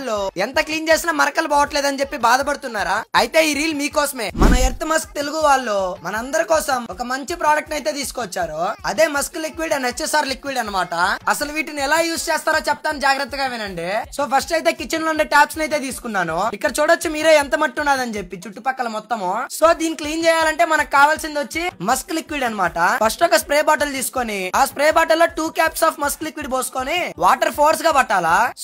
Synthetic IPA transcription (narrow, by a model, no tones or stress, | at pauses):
lːoːɛnt̪ɐkliːnt͡ʃe̞ːsinaːmɐɾɐkɐlbɔːʋɐʈleːd̪ɐnit͡ʃe̞pːibaːd̪ɐpɐɽut̪unːaːɾaːɐjt̪e̞ːiːɾiːlmiːkɔːsɐme̞ːmɐnɐeɾt̪ːɐmɐsk̚t̪eluɡuʋaːɭːoːmɐnɐɐnd̪ɐɾikɔːsɐmɔkɐmɐɲt͡ʃipɾaːɖɐk̚ʈɐjt̪e̞ːt̪̬iːsu̥kɔʋɐt͡ʃːaːɾuɐd̪eːmɐsklikʋiːɖɐnɦet͡ʃːesaːɾlikʋiːɖɐnːɐmaːʈɐɐsɐluʋiːʈiniɛlaːjuːst͡ʃɛːst̪aːɾoːt͡ʃɛpɐt̪aːnud͡ʒaːɡɾɐt̪ːɐɡaːʋenɐɳɖeːso̞ːpʰɐɾsʈɐjt̪e̞ːkit͡ʃːɐnloːɳɖeʈaːpsnɐjt̪e̞ːt̪̬iːsu̥kunːaːnuikːɐɽɐt͡ʃuːɽɐt͡ʃːumiːɾe̞ːɛnt̪ɐmɐʈːunaːd̪ɐnut͡ʃe̞pːit͡ʃuʈːupɐkːɐlɐmɔt̪ːɐmoso̞ːd̪iːnikliːnt͡ʃɛːjaːlɐɳʈe̞ːmɐnɐkkaːʋaːlsind̪ʋɐt͡ʃːimɐsklikʋiːɖɐnːɐmaːʈɐpʰɐsʈɔkɐspɾeːbaːʈ̬ɐlt̪iːsu̥koːniaːspɾeɛːbaːʈɐlːo̞ːʈuːkaːpsaːpʰmɐsklikʋiːɖboːsu̥koːniʋaːʈɐɾpʰoːɾs̬ɡaːbɐʈːaːlaː